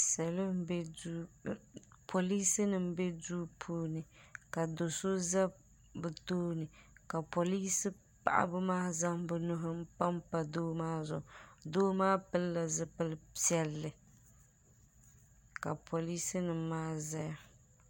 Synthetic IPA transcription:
sa˨lo˦m˦bɛ˦du˦ | pʰo˨li˦sɨ˦nɨ˨m̩˦bɛ˦duː˦pʰuː˦nɨ˨ka˨do˨so˦za˦ | bɨ˨toː˦nɨ˨ka˨po˨li˦sɨ˦ | pa̰˦˨ʔa̰˦bɨ˦maː˦za˦ŋbɨ˦nʊ˦ɦʊ˦m̩˦pa˦mpa˨doː˦maː˦zʊ̰˨ʔdoː˦maː˦pɨ˦lla˨zɨ˦pɨ˦li˦ɛ˦lːɨ˨ | ka˨pʰo˨li˦sɨ˦nɨ˨maː˦za˦ja˨

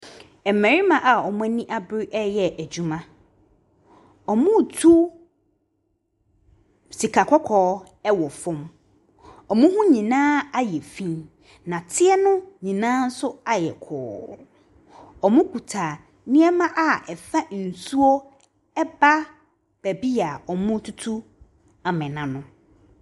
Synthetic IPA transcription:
ɛ˨mɛ̃˨ɾi˦mã˨ʔa˨ɔ˨mʊ̃˦æ˦nĩ˦ʔa˦bɪ˦ɾi˦ʔɛ˦jɛ˨ʔæ˨d͡ʑu˨mã˦ | ɔ˨mʊ̃˦˨tʰu˦ | si˨kʰa˨kʰɔ˦kʰɔː˨˦ | ɛ˦wɔ˨fʊ̃˦m | ɔ˨mʊ̃˦ɦʊ̃˦ɲĩ˨nãː˦a˦jɛ˨fĩ˦n | nã˨tʰɪ˦ɛ˦nʊ̃˦ɲĩ˨nãː˦n̩˦sʊ˦a˨jɛ˨kʰɔ̰ː˨ | ɔ˨mʊ̃˦kʰu˨tʰa˨ | nɪ̃˦ɛ˦mã˦ʔa˨ɛ˨fa˦n̩˨su˦ɔ˦ | ɛ˦ba˦ | b̥æ˨bi˦a˨ɔ˨mʊ̃˦tʰu˦tʰu˦ | a˨mɛ̃˨nã˨nʊ̃˦

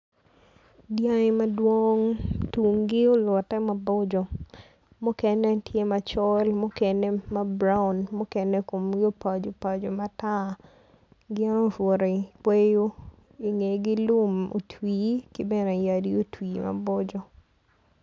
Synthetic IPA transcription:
dja˦ɪ˦ma˦dwo˦ŋtu˨ŋɡɪ˦o˦lwɔ˨tɛ˦ma˨bɔ˦d͡ʒɔ˨ | mu˦kɛ˦nɛ˦tje˦ma˨t͡ʃɔ˦lmʊ˦kɛ˨nɛ˦ma˦bɾa˦ʊ˨nmu˦kɛ˦nɛ˦ko˨mɡɪ˦o˦pa˨d͡ʒo˨pa˨d͡ʒo˨ma˦ta˦ | ɡɪ˦a˦no˦fwo˨ɾe˨pwe˦jo˦ | i˨ŋe˨ɡɪ˦lu˦mo̰˨tʰwiː˨kɪ˦bɛ˦nɛ˨ja˨di˦o˦twi˨ma̰˨bɔ˦d͡ʒɔ˨

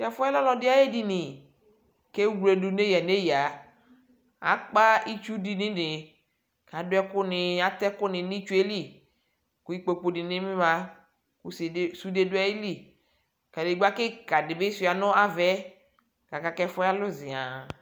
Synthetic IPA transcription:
kɛ˨fɔ˦ɛ˦lɔ˦lɔ˨dɪ˦a˦je˦di˦nɪ˨ | ke˦wle˨du˨ne˦ja˨ne˦ja˨ | a̰˨˦k͡pa˦i˦t͡ʃu˦di˨nɪ̃˦nɪ˨ | ka˨˦dʊ˦ɛ˦kʊ˦nɪ˨a˦t̪ɛ˦kʊ˦nɪ˨nĩ˦t͡ʃu˦e˦li˦˨ | kʊ˨i˦k͡po˨k͡po˨dɪ˨nɪ˦mɪ˦mã˨ | kʊ˨ssu˦de˦dʊ˦a˦i˦li˦˨ | ka˨dɪ˨˦ɡ͡ba˦kɪ˦ka˨dɪ˨bɪ˦sʊ˦˨a˨nʊ˦a˦vɛ˦ | ka˨ka˨kɛ˦fɔ˦a˦lʊ˦zɪ˨a˨

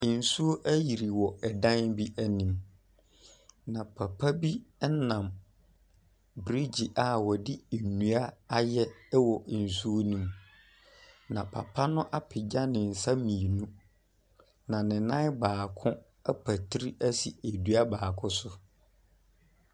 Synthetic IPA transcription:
n̩˨su˦o˦ʔæ˦ji˨ɾi˨wɔ˨ɛ˨dã˦nbi˦ʔæ˦nĩ˨m | nã˨pʰa˨pʰa˦bi˦nã˨m | bɾi˦d͡ʑi˨ʔa˨wɔ˨dɪ˦e˨nũ˨˦a˦a˦jɛ˦wɔ˨ʔn̩˨su˦o˦nũ˦m | nã˨pʰa̰˨pʰa˦nʊ̃˦ʔa˦pʰɪ˨d͡ʑa˦nɪ̃˨n̩˨sa˦mĩ˨e˨nũ˦ | nã˨nɪ̃˨nã˦baː˨kʰʊ̃˦ | a˦pʰæ˨tʰi˦ɾi˦ʔæ˦sḭ˨e˨dɥa˦baː˨kʰʊ̃˦sʊ˦

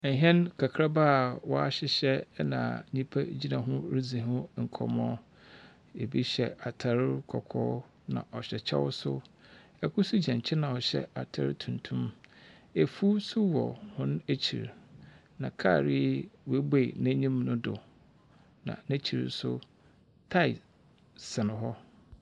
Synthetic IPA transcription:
ɦɛ̃˦nkʰa˨kʰɾa˦ba˦˨wɔ˦a˦ɕɪ˦ɕɛ˦nã̰˨ɲĩ˦pʰæ˦d͡ʑi˦nã˨ɦʊ̃˦ɾi˦d͡zĩ˨ɦʊ̃˦ŋ̩˨kʰɔ̰˨mɔ̃˦ | e˨bi˦ɕɛ˨a˨tʰa˨ɾkʰɔ˨kʰɔ̰ː˦ | nã̰˨ʔɔ˨ɕɛ˨t͡ɕʰɛ̰˦wʊ̰˦sʊ̰˦ | ɛ˨kʰʊ˦su˦d͡ʑɛ̃˨ɲ˨t͡ɕʰɪ˦nã˨ɔ˨ɕɛ̰˦a˨tʰa˨ɾɪ˦tʰũ˨ntʰũ˦m | e˨fu˦sʊ˦wɔ̰˨hʊ̃˦ñ˦æ˦t͡ɕʰḭ˨ɾ | nã˨kʰa˦˨ɾɪ˦we˦be˦˨næ̃˦ɲĩ˦mnʊ̃˦dʊ˨ | nã̰˨næ̃˦t͡ɕʰi˨ɾ̰sʊ˦ | tʰa˦˨ɪ˨ | sɪ˨nɪ̃˨ɦɔ˦

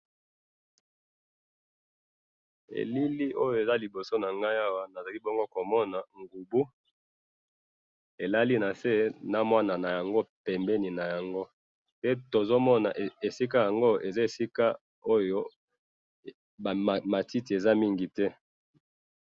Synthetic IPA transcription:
ḛ˨li˦li˦ʔo˦jo˨e˨za˦li˨bo˨so˦na˨ŋɡa˦ja˦wa˦na˨za˨li˦bo˦ŋɡo˦ko˨mɔ˦na˨ŋɡu˨bu˦ | e˨la˦li˦na˨se˦na˦mwa˦na˨na˨ja˨ŋɡo˦pɛ˨mbɛ˦ni˨na˨ja˨ŋɡo˦ | pe˦to˨zo˦mɔ˦na̰˨ʔe˨si˦k̬a˦ja˨ŋɡo˦e˨za˦e˨si˦ka˦ | o˦jo˦˨ | ma˨ti˦ti˨e˨za˦mi˦ŋɡi˨tɛ˦

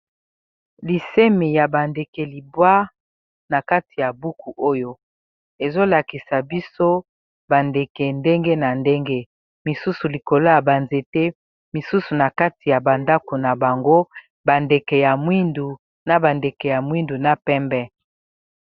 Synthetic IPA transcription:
li˨se˦me˨ja˨ba˨nde˨kɛ˨li˨bwa˦ | na˨ka˦ti˨ja˨bu˦kʰu˨ʔo˦jo˦ | e˨zo˦la˨ki˨sa˨bi˦so˦ | ba˨nde˨kɛ˨nde˦ŋɡe˦na˨nde˦ŋɡe˦ | mi˨su˦su˨li˨ko˨lo˦ja˨ba˨nze˨te˦ | mi˨su˦su˨na˨ka˦ti˨ja˨ba˨nda˦ko˨na˨ba˨ŋɡo˦ | ba˨nde˨kɛ˨ja˨mwi˦ndu˨ | na˦ba˨nde˨kɛ˨ja˨mwi˦ndu˨na˦pɛ˦mbɛ˦

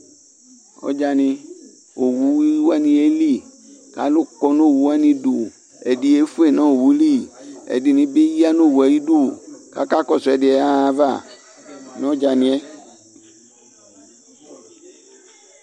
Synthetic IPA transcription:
ɔ̰˦d͡ʒa˧nɪ̃˧ | o˨wu˨˦wi˦wa˦nĩ˧e˦li˦ | ka̰˨˦lo˦kɔ˨no˦˨wu˨wa˦nĩ˧do˨ | ɛ˨di˨e˨˦fu˦e˦˨nã˦o˨wu˨˦li˦˨ɛ̰˨dɪ˨nĩ˨˦be˦ji˦a˦no˦˨wu˨a˨ji˦du˦˨ka̰˦ka˦kɔ˦˨sɛ˨dɪ˨ɛ˨˦a˦˨va˦˨ | nɔ̃˦d͡ʒa˨nĩ˨ɛ˦

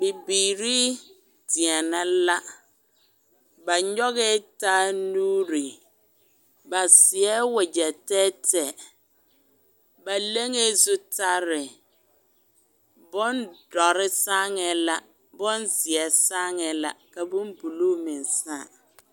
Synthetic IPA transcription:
bɪ˨biː˨ɾi˦ | di˨ɛ˨nã˨˦la˦ | ba˨ɲɔ˦ɣe˦ta˦nũː˦ɾi˨ | ba˨sɪ˨ɛ˦wɛ˨d͡ʑɛ˨tɛ˦tʰɛ˨ | ba˨le˦ŋe˦zʊ˦tʰa˦ɾɪ˨ | bɔ̃˦ndɔ˨ɾɪ˦sã˦ŋɛ˨la˦ | bɔ̃˦nzɪ˨ɛ˨sã˦ŋɛ˨la̰˦ka˨bʊ̃˦m˦bu˨lu˦mɪ̃˨n˨saː˦˨

